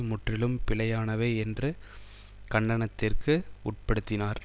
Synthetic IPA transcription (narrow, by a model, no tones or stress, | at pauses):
mʊʈrɪlɯmpɪlɐjaːnɐʋeːɛndrɯ | kɐɳɖɐɳɐt̪ːɪrkɯʊʈ̚pɐɽɯt̪ːɪnaːɾ